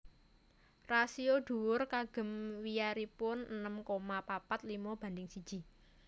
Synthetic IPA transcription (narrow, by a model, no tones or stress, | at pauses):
rasioɖ̪̥ṳwʊrkaɡ̥ə̤mwijaɾipʊnənəmkomapapat̪limɔb̥ä̤nd̪ɪŋsid̥ʒ̥i̤